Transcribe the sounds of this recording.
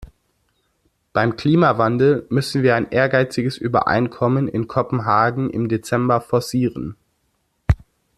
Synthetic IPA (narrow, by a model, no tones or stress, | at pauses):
b̥aɪmkl̥iːmavandl̩mʏsn̩viːɐaɪnʔeːɐɡaɪt͡sɪɡəsʔyːbɐ̰ʔa̰ɪnkʰɔmənɪ̰nkʰɔpm̩ɦaːɡŋ̩ʔɪ̰mdet͡sɛmbɐfɔɐsiːʁən